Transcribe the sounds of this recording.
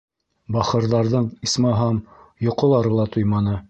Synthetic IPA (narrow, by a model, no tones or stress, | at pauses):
bɑχɤ̆ɾðɑɾðɤɴismɑɦɑm | jŏqolˠɑɾɤ̆lˠɑt̪ʰujmɑnɤ